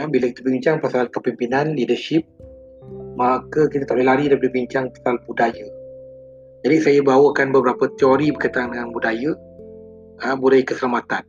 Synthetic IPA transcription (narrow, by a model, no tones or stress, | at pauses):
abiləki̥t̪əbiiɲt͡ʃaŋpasalkəpimpinanlidəʃip̚ | makəkit̪ət̪aʔlelaɾidapədəbiɲt͡ʃaŋpḁsalbudajə | d͡ʒadisajəbawəkanbəbəɾapət̪ioɾibəkat̪aaŋdəŋanbudajə | əbulajkəsəlamat̪an